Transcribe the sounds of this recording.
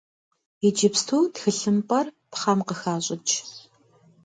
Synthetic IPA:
id͡ʒɪpstʰuːtxɨɬɨmpʼɐr | pχɐmqəxaːɕʼɪt͡ʃʰ

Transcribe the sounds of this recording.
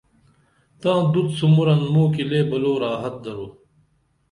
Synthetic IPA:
t̪ãːd̪ud̪sumuɾɐnmuːkileːbɐloːɾaːɦɐt̪̚d̪ɐɾoː

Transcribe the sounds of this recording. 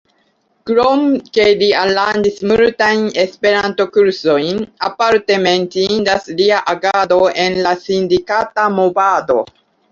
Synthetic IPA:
kɾomke̞lialːandismultajne̞spe̞ɾanto̞kuɾso̞jnapaɾte̞me̞ntindasliaʔaɡado̞e̞nlasindikatamovado̞̰

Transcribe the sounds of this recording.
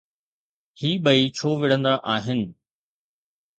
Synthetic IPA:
hiːɓɐit͡ɕʰoːʋɪɽ̤ə̃nd̪aʔaːɦɪnɪ̆

